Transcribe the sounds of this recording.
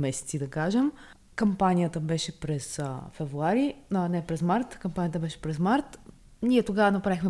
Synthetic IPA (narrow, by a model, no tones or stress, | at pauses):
mɛsɛ̥t̪sid̪ɐkaʒɛm | kɐmpanʲijət̪əbɛʃɛpɾɛsfɛvɾuaɾinɛpɾɛzmaɾt̪kɐmpanijət̪əbɛʃɛ̥pɾɛsmaɾt̪ | niɛt̪oɡavənɐpɾaixmɛ